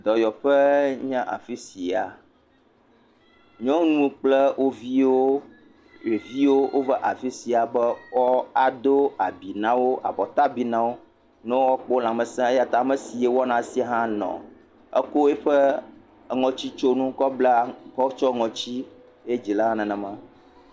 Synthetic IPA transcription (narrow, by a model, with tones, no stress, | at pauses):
d̪ɔ˨jɔ˨ɸɛ˦ɲã˦ʔa̰˨fi˦si˨a˨ | ɲɔ̃˦nũ˦k͡plɛ˦wʔo˦vi˦wo˦ | je˨vi˦wo˦wʔo˦va˦ʔa˨fi˦si˨a˨bɛ˦wɔ˦a˨d̪o˦a˨bi˨nã˦wo˦ʔa̰˨bɔ˨t̪a˦bi˨nã˨wo˦ | nɛ̃˦wo˦wɔ˦k͡pɔ˦la˨mɛ˨sɛ̃˦ɛ˦ja˨t̪a˨mɛ̃˨si˨e˨wɔ˦nã˨si˦a˦˨ɦã˦nɔ̰̃˨ | ə̰˦ko˦e˦ɸɛ˦˨ | ŋɔ̃˨t͡ɕi˦t͡ʃo˦nũ˦kɔ˦bla˦kɔ˦t͡ʃɔ˦ŋɔ̃˨t͡ɕi˦ | e˦d͡ʑi˨la˦ã˦nɛ̃˨nɛ̃˨mã˦